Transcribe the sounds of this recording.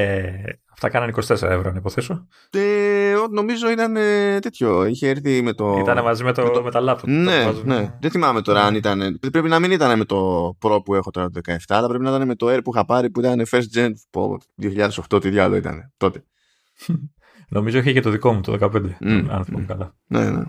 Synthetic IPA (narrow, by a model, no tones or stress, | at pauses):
eɐft̪ɐkɐnɐniko̞st̪e̞seɾɐevɾonɐipoθe̞so | eot̪no̞mizo̞it̪ɐne̞t̪e̞t̪ço̞içeeɾθime̞t̪o̞it̪ɐnemɐzimet̪omet̪ɐlɐfone̞ɐzne̞ðeθimɐme̞t̪o̞ɾɐɐnit̪ɐne̞ppɾe̞pinɐminit̪ɐne̞me̞t̪o̞pɾo̞pue̞xo̞t̪o̞ɾɐt̪oðekɐeft̪ɐːlɐpɾe̞pinɐit̪ɐne̞me̞t̪o̞eɾpuixɐpɐɾipuit̪ɐne̞feɾsd͡ʒent̪po̰ðioçiʎɐðe̞so̞xt̪o̞t̪iðjoɐlo̞̰it̪ɐ̰ne̞t̪o̞t̪e̞ | nʔo̞mizoiçecet̪oðiko̞mut̪oðekɐpend̪eɐ̰nθiɐ̰mukɐlɐ | nḛnḛ